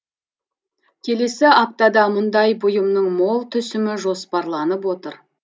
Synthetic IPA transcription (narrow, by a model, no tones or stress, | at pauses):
kʲʰe̞le̞sɪɑp̚t̪ɑd̪ɑmʊnd̪ɑjbʊjəmnəɴmo̞lˠt̪ʰʏsɪmɪʒo̞spɑɾlˠɑnəp̬wo̞t̪əɾ